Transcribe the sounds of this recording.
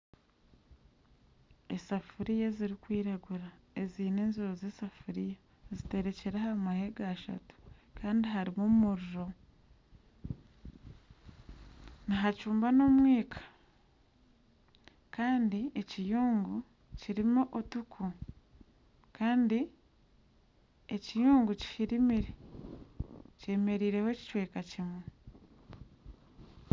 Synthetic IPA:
esafuɾijeziɾikwiːɾaɡuɾae̞ziːne̞ːnzuɾozesafuɾija | zite̞ɾe̞ce̞ɾehaɾmahe̞ɡaʃa̰tu̥kʰaːndiɦaɾimomumuɾuɾo̞ | niɦacuːmbano̞mwiːkʰḁ | kaːndie̞cijuːŋɡu | ciɾimuʔotukʰu | kʰaːndi | ecijuːŋɡuci̥ʃiɾimiɾe | ce̞ːme̞ɾiːɾe̞hoci̥cwe̞ːkacimwe

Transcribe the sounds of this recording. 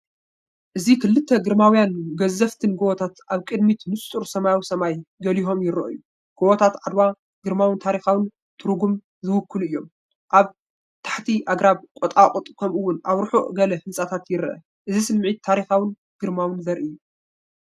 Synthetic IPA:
ʔɨzikʰɨlːɨt̪ʰːɐɡɨɾmawjanɡɐzːɐft̪ʰɨnɡowɔt̪ʰat̪ʔaβkʼɨd̪mit̪nɨst̪ʼuɾsɐmajawsɐmajɡɐliɦo̞mjɪɾɐ̰ʔjːu | ɡ̥owɔt̪ʰat̪ʕad̪wa | ɡ̥ɨɾmawɨnt̪ʰaɾixawɨn | t̪ʰɨɾɡum | zɨwʊkːɨluɨjːo̞m | ʔaβ | t̪ʰḁħt̪ʰiʔaɡɾaβkʼɔt̪ʼakʼʊt̪ʼkʰɐmʔuwʊnʔaβɾɨħuʔɡɐlɐhɨnsʼat̪ʰat̪jɪɾʔɐ̰ | ʔɨzisɨmʕit̪ʰːaɾixawɨn | ɡ̥ɨɾmawɨnzɐɾʔijːu

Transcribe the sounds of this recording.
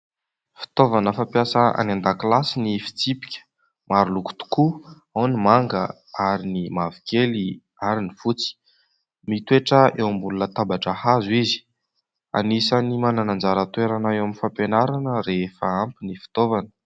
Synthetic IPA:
fi̥t̪ovanəfampjasəa̰nand̪aklasinifi̥t͡sipi̥kʲə̥ | maɾuluku̥t̪u̥ku | awnimaŋɡə | aɾinimavi̥keli | aɾinifut͡si̥ | mit̪ueʈ͡ʂəewambulunət̪abaʈ͡ʂəhazuizi̥ | a̰nisanimananand͡zaɾət̪weɾanaewaminfampenaɾanəɾefəampinifi̥t̪ovanə̥

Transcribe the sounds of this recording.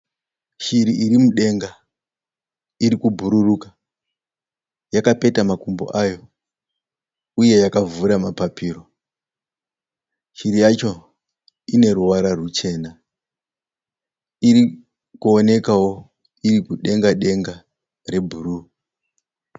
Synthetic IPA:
ʃiɾiiɾimuɗe̞ŋɡa | iɾikubʱuɾuruka | jakape̞tamakumbo̰ʔajo̞ | uje̞jakavuɾamapapiːro̞ | ʃiɾijat͡ʃo̞ | ine̞ruwaɾarut͡ʃe̞ːna | iɾi | kuone̞kawo̞ | iɾikuɗe̞ŋɡaɗe̞ŋɡa | re̞bʱuɾu

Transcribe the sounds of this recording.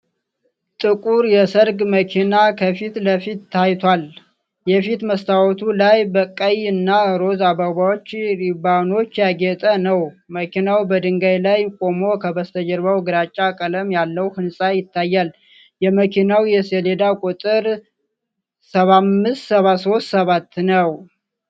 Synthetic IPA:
t̪ʼɨkʼuɾjɛsəɾɡməkʰinakʰəfit̪ləfit̪ːʰajt̪ʰwal | jɛfit̪məst̪ʰawɔt̪ʰulajbəkʼːəjɨnːaɾo̞zabaβawot͡ʃːɾibano̞t͡ʃːjaɡɛt̪ʼənəw | məkʰinawbəd̪ɨŋɡajlajkʼo̞mo̞kʰəbəst̪ʰəd͡ʒəɾbəwɡɨɾat͡ʃʼːakʼələmjalːəwhɨnsʼajɪt̪ʰːajːal | jɛməkʰinawjɛseled̪akʼut̪ʼɨɾ | səβamːɨst̪səβaso̞st̪səβat̪ːnəw

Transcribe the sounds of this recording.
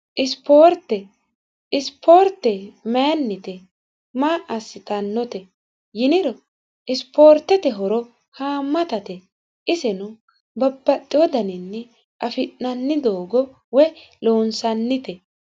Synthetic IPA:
ʔɪspoːɾt̪ːɛ | ɪspʰoːɾt̪ːɛmɛnːɪt̪ɛ | maːʔɐsːɪt̪ɐnːɔt̪ɛ | jɪnɪɾɔ | ɪspo̞ːɾt̪ːɛt̪ɛɦɔɾɔ | haːmːɐt̪ɐt̪ɛ | ʔɪsɛnʊ | bɐbːɐt̪ʼːɪwɔd̪ɐnɪnːɛ | ʔɐfɪnːɐnːɪd̪oːɡɔ | wɛ | loːnsɐnːɪt̪ɛ

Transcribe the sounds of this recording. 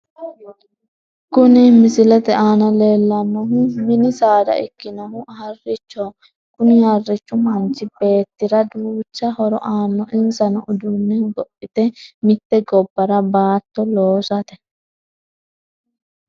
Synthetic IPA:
kʊnɪmɪsɪlɛt̪ɛʔaːnɐle̞ːlːɐnːɔɦʊmɪnɪsaːd̪ɐ̰ʔɪkːɪnɐhʊʔhɐrːɪt͡ʃːɔ | kʊnɪhɐrːɪt͡ʃːʊmɐnt͡ʃːɪbe̞ːt̪ːɪɾɐd̪uːt͡ʃːɐhɔɾɔ̰ʔaːnːɔʔɪnsɐnɔʔʊd̪ʊnːɛɡɔpʼːɪt̪ɛmɪt̪ːɛɡɔbːɐɾɐbaːt̪ːɔloːsɐt̪ɛ

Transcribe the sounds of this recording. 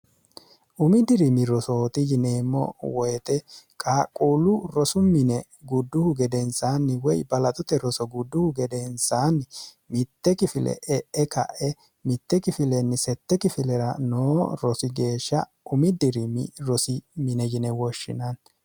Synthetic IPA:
ʔʊmɪd̪ɪɾɪmɪɾɔsot̪ɪjɪneːmːɔ̰wɔjɛt̪ʼɛkʼaːkʼuːlʊɾɔsʊmɪnɛ | ɡʊd̪ːʊhʊɡɛd̪ɛnsaːnːɪwɔjbɐlɐt̪ʼʊt̪ɛɾɔsɔɡʊd̪ːʊhʊɡɛd̪ɛnsaːnːɪ | mɪt̪ːɛkɪfɪlɛ̰ʔɛʔɛkɐ̰ʔɛ | mɪt̪ːɛkɪfɪlɛnːɪsɛt̪ːɛkɪfɪlɛɾɐnoːɾɔsɪɡe̞ːʃːɐ | ʊmɪd̪ɪɾɪmɪ̰ɾɔsɪmɪnɛjɪnɛwɔʃːɪ̰nɐn

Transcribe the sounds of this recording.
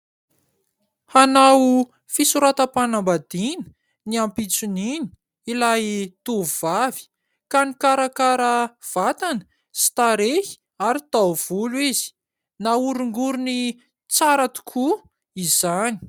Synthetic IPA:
hanawu | fisuɾat̪əpanambad̪inə̥ | niampit͡sunini̥ | ilajt̪uvuv̥avi̥ | kanikaɾakaɾəv̥at̪anə̥ | si̥t̪aɾehi̥ | aɾit̪awv̥uluiz̥i̥ | nauɾuŋɡuɾuni | t͡saɾat̪u̥kʰu | iz̥ani̥

